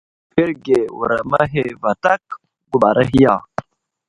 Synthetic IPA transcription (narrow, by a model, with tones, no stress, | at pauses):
be˦ɾɡe˨wṵ˨ɾa˨ma˦ɦe˦va˨ta˦k̚ | ɡu˨ɓa˨ɾa˦ɦi˦ja˦˨